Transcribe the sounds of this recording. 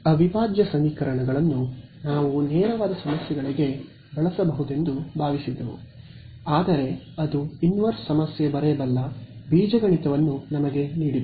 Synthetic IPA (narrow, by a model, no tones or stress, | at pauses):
ɐbʱibaːd͡ʒjɐsɐmiːkɐɾɐɳɐɡɐɭɐnːunaːʋunɛːɾɐʋaːd̪ɐsɐmɐsjɛɡɐɭiɡe̞ | bɐɭɐsɐbɐɦud̪e̞nd̪ubʱaːʋisid̪ːɐʋṵ | aːd̪ɐɾe̞ | ɐd̪uinʋɐɾssɐmɐsjɐbɐɾɛbɐlːɐbiːd͡ʒɐɡɐɳit̪ɐʋɐnːunɐmɐɡe̞niːɽi